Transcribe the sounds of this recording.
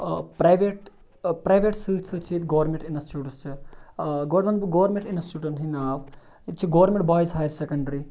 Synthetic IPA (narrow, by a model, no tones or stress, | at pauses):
pɾɐjʋeʈ | pɾɐjʋeʈsɨːsʰɨt͡ʃʰit̪ɡoʋɾmẽɳʈinɐsʈuʈust͡ʃʰi | ɡoːɾmɐnbɡoʋɐɾmẽɳʈinɐsʈuʈɐnɦinaːʋ | t͡ʃʰiɡoʋɐɾmẽɳʈ̚baːjisɦaːjɐɾsekɐɳɖɐɾi